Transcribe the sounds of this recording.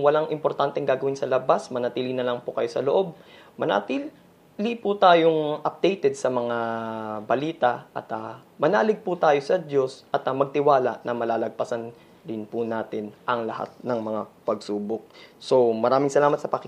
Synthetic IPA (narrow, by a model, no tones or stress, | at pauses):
wɐlaŋʔɪmpoɾt̪ant̪ɛŋɡaːɡɐwɪnsɐlɐbasmɐnɐt̪iːlɪnɐlɐŋpokɐjo̞sɐloʔo̞b̚mɐnɐ̰t̪iː | lɪpʊt̪aːjoŋʔɐp̚d̪̥ɛjt̪ɛd̪̚sɐmɐŋabɐliːt̪ɐʔɐ̰t̪ɐmɐnaːlɪɡ̚put̪aːjo̞sɐd̪o̞sʔɐt̪ːmɐɡ̚t̪ɪwaːlɐʔnɐmɐlaːlɐɡ̚pɐsɐn | d̪ɪnpʊnaːt̪ɪnʔɐŋlɐha̰t̪̚nɐŋmɐŋapɐɡsuːbok̚so̞mɐɾaːmɪŋsɐlaːmɐt̪̚sɐpɐkɪ